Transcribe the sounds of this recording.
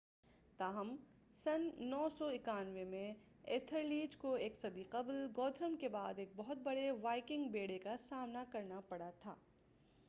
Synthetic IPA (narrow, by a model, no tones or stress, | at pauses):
t̪aːɦəm | sɐnːɔːsɔɪkaːnʋemẽ | ḛːt̪ʰəɾliːd͡ʒkoeːksɐd̪iqɐblɡɔːd̪ʰʱɾəmkebaːd̪eːk̚bɔɦʊt̪̚bɐɽeʋaːɪkɪ̃ŋɡbeːɽekasaːmnakɐɾnapɐɽat̪ʰa̰ː